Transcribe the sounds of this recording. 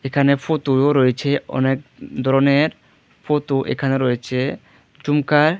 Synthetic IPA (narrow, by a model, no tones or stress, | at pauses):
ekʰanefot̪uoɾojet͡ɕʰeɔ̰nek̚d̪ʱɔɾoneɾ | fot̪uʔḛkʰaneɾojet͡ɕʰe | d͡ʑumkaɾ